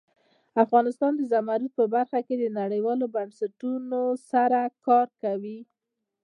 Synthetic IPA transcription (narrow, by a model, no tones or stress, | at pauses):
afɣɑnɪst̪ɑnd̪əzamaɾut̪̚pəbaɾxaked̪ənaɽəjwɑlobansaʈunosaɾakɑɾkawi